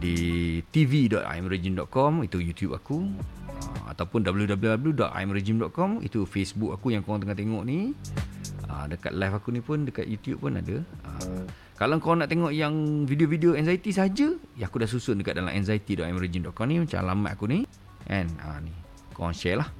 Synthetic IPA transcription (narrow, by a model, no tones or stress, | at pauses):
dit̪ividɔt̪a̰jmɾed͡ʒimdɔʔ̪̚kɔmit̪ujut̪jupakuə̰a̰t̪awpʊndabəludabəljudabəludɔt̪̚a̰jmɾed͡ʒimdɔʔ̚kɔmḭt̪ufesbukakujãŋkoaŋt̪əŋaʔt̪eŋɔʔni | ʔə̰mdəka̰t̪̚lajfakunipʊndəka̰t̪̚jut̪jṵb̚pʊna̰dəə̰ | kalaŋkoanaʔt̪eŋɔʔjaŋvideovideoɛnzait̪isəɦad͡ʒəjaakudaʔsusʊndəkat̪̚dala̰mʔɛ̰nzait̪idɔʔ̪ajmɾed͡ʒimdɔʔ̪̚kɔmnimat͡ʃa̰lama̰ʔ̪akuni | ʔɛnə̰ni | kowaŋʃɛlah